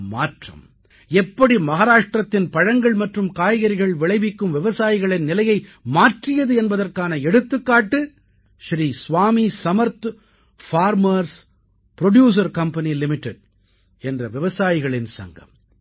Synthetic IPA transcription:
ma̰ːʈrɐ̰m | ɛpːɐɽimɐɣaːɾaːʂʈrɐt̪ːɪnpɐɻɐŋɡɐɭmɐʈrɯmkaːjɣɐɾɪɣɐɭʋɪɭɐɪʋɪkːɯmʋɪʋɐsaːjɪɣɐɭɪnnːɪlɐjɐɪmaːʈrɪjɐðɯɛnbɐðɐrkaːnɐɛɽɯt̪ːɯkːaːʈːɯ | ʃɾiːsʋaːmisɐmɐɾt̪ | faːɾmɐɾs | pɾɔɖjuːs̬ɐɾkɐmpɐnilɪmɪʈːɛɽ̚ | ɛndrɐʋɪʋɐsaːjɪɣɐɭɪnsɐ̰ŋɡɐ̰m

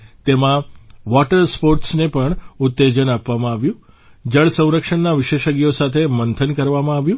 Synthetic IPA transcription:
t̪emãʋɔʈəɾspoɾʈsnepəɳʊt̪ːed͡ʒənapʋamãaʋjũ | d͡ʒəɭsə̃w̃ɾəkʃəɳnːaʋɪʃeʃəɡijosat̪ʰemənt̪ʰənkəɾʋamãaʋjũ

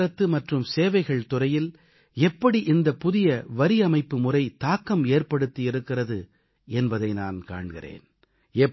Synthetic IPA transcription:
ɾɐt̪ːɯmɐʈrɯmseːʋɐɪɣɐɭt̪ʊrɐjɪl | ɛpːɐɽiʔɪnd̪ɐpʊðɪjɐʋɐɾɪɐmɐɪpːɯmʊrɐɪt̪aːkːɐmeːrpɐɽɯt̪ːiɪɾɯkːɪrɐðɯ | ɛnbɐðɐɪna̰ːnka̰ːɳɣɪ̰rḛːn | ɛ

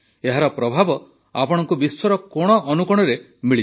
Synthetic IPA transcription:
eɦaɾɔpɾɔbʱabɔ | apɔɽɔŋkubiswɔɾɔkoɽ̃ɔʔɔnukɔɽ̃ɔɾe | miɭi

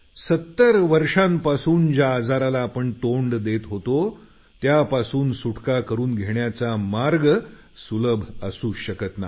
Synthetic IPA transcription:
sət̪ːəɾʋəɾʂãmpasuːnd͡ʑaːd͡zaɾalaːpəɳʈoɳɖd̪et̪ɦot̪o | t̪japasuːnsuʈʰkakəɾuːnɡʱeɳjat͡samaɾɡ | suləbʱəsuːɕəkət̪na̰

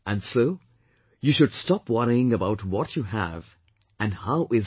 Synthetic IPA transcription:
ɨ̃nsoʊ | jɨʃʊd̥stɑpwʌɾiɪ̃ŋəbaʊtwɔt͡ʃɨæ̰v | ɨ̃nhaʊʔɪz

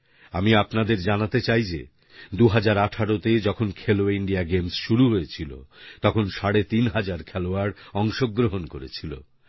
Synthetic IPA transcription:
amiapnad̪eɾd͡ʑanat̪et͡ɕajd͡ʑḛ | d̪uɦad͡ʑaɾaʈʰaɽot̪ed͡ʑɔkʰonkʰeloiɳɖiaɡemsʃuɾuɦojet͡ɕʰilo̰t̪ɔkʰonʃaɽet̪inɦad͡ʑaɾkʰɛloaɾɔŋʃoɡːɾoɦonkoɾḛt͡ɕʰilo̰

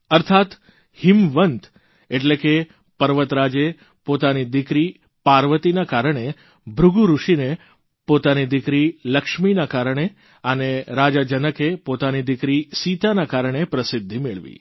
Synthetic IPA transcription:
əɾt̪ʰat̪ | hɪmʋənt̪ | eʈleke | pəɾʋət̪ɾad͡ʒe | pot̪anid̪ɪkɾi | paɾʋət̪inakaɾəɳ̃e | bʱɾʊɡuɾuʃine | pot̪anid̪ɪkɾiləkʃminakaɾəɳ̃e | aneɾad͡ʒad͡ʒənəkepot̪anid̪ɪkɾisit̪anakaɾəɳ̃epɾəsɪd̪ʱːimeɭʋḭ

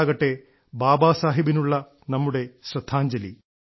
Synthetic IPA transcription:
ɡɐʈːe̞ | baːbaːsaːɦibinuɭːɐ | nɐmːuɽe̞ɕrɐd̪ʰʱːaːɲd͡ʑɐlḭ

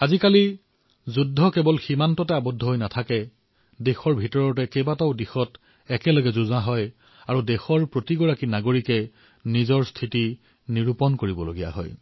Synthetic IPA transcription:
azikali | zudʱːɔkɛbɔlximantɔtɛabɔdʱːɔɦojnatʰakɛ | dexɔɹbʱitɔɹɔtɛkɛbataʊdixɔt | ɛkɛlɔɡɛzuzaɦɔj | aɹudexɔɹpɹotiɡɔɹakinaɡoɹikɛ | nizɔɹstʰiti | niɹupɔnkoɹibɔloɡija̰ɦɔ̰j

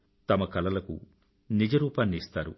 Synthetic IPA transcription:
t̪ɐmɐkɐlɐlɐkṵ | nid͡ʒɐɾuːpaːnːist̪aːɾṵ

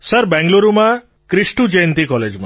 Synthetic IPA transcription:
səɾbɛ̃ŋɡloɾuma | kɾisʈud͡ʒejnt̪ikɔled͡ʒma

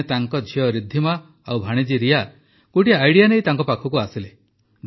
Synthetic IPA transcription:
et̪aŋkɔd͡ʒʱiɔɾid̪ʱːima | awbʱaɽ̃id͡ʒiɾija | kuʈiːjɽijanejt̪aŋkɔpakʰɔkuasile | d̪

